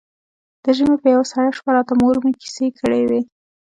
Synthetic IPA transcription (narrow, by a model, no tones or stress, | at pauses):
d̪̥əʒəmepəjawasaɽaʃpaɾɑt̪amoɾmeki̥sekʰəɽewe